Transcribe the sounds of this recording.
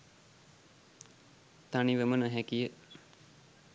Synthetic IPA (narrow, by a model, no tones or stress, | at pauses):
t̪aniʋəmənəɦækijə